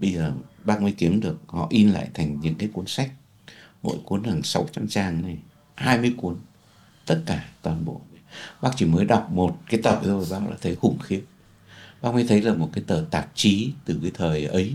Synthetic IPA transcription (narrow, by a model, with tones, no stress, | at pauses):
ɓə˧jzəː˨˩ɓaː˧˥k̚mi˧jki˨˦əmɗɨ˨˩ək̚hɔ̰˧˨ʔi˧nla̰ː˧˨jt̪ʰa˨˩jŋ̟ɲɨ̰˧˥ŋkaː˨˦jku˨˦ənsa˦˥jk̟̚ | mo̰˧˥˨jku˨˦ənha˨˩ŋsa˨˦wt͡ɕa˧mt͡ɕaː˧˩ŋna˨˩j | haː˧jmɨ˧əjku˨˦ən | t̪ə˦˥t̚kaː˧˩t̪waː˨˩nɓo̰˧˨ɓaː˦˥k̚t͡ɕi˧˩məː˨˦jɗa˨˩wk͡p̚mo˨˩t̚kaː˨˦jt̪əː˨˩˨zo˧˩jɓaː˦˥k̚la̰ː˧˩t̪ʰə˨˦jhʊ˨˩ŋ͡mxi˨˦ən̚ | ɓaː˧˥k̚mi˧t̪ʰə˨˦jlaː˨˩mo˨˩t̚kaː˨˦jt̪əː˨˩t̪aː˨˧˩t̚t͡ɕi˨˦t̪ɨ˨˩kaː˨˦jt̪ʰəː˨˩jʔə˨˦j